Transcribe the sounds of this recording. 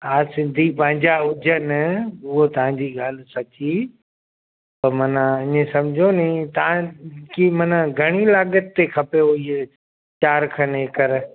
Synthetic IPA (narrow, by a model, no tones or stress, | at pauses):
aːsɪ̃nd̪ʱipɐ̃ɦɪ̃ɲd͡ʑaʊd͡ʑʱənʊɦot̪ɐʋ̤ãːɲd͡ʑiːɡaːlsɐtʰi | pɐmɐnãɪɲẽsɐmd͡ʑʱonĩt̪ɐãkimɐnãɡʱɐɽ̃ilaːɠət̪ːekʰɐpeoie | t͡ʃaːɾkʰəneːkɐɾ